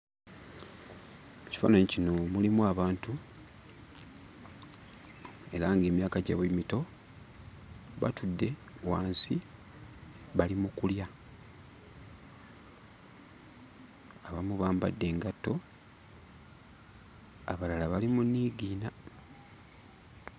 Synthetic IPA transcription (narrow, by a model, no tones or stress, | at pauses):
ci̥fa̰ːnaɲicino̞mulimuaβaːntu | e̞ɾaŋɡe̞ːmjaːkaɟaβemito̞ | βa̰tudːe̞ | waːnsi | βalimukulja | aβamuβaːmba̰dːe̞ːŋɡatːo̞ | a̰βalalaβalimunːiːɡiːna